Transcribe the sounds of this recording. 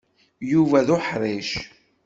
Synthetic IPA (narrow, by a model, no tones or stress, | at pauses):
juvæðʊħɾˤiʃ